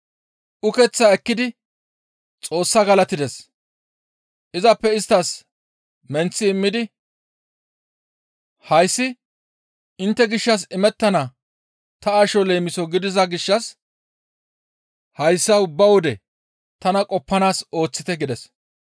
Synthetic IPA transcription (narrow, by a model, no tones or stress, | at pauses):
ʊkɛt͡sːaɛkːɪd̪ɪ | t͡sʼo̞ːsːɐɡɐlɐt̪ɪd̪ɛs | ʔɪzɐpːɛɪst̪ːɐs | mɛnt͡sːɪːmːɪd̪ɪ | hɐjsːɪ | ɪnt̪ːɛɡɪʃːɐs̬ɪmɛt̪ːɐnɐ | t̪ɐaːʃɔle̞ːmɪsɔɡɪd̪ɪzɐɡɪʃːɐs | hɐjsːɐʊbːɐwɔd̪ɛ | t̪ɐnɐkʼɔpːɐnaːso̞ːt͡sːɪt̪ɛɡɪd̪ɛs